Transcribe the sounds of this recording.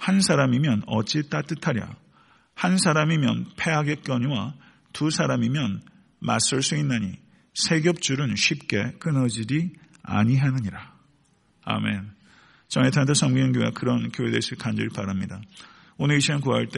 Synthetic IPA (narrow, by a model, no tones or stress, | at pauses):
hansʰaɾamimjʌnʌt͡ɕ͈it͈at͈ɯtʰaɾja̰ | hansʰaɾamimjʌ̰npʰe̞ɦaɡe̞k͈jʌɲwa | tusʰaɾamimjʌn | ma̰s͈ɯɭs͈uinːaɲḭ | sʰe̞ɡjʌp̚t͡ɕ͈uɾɯnɕʰɥip̚k͈e̞k͈ɯnʌd͡ʑiɾi | a̰ɲiɦanɯɲiɾa | a̰me̞n | t͡ɕʌŋetʰant̬ʰʌsʰʌŋmɡʌŋɡiwa̰kɯɾʌnkjoɦedes͈ʰɯɭkand͡ʑiɾɭpaɾamɲida | onɯɾiɕʰinɯnkuaɭt͈e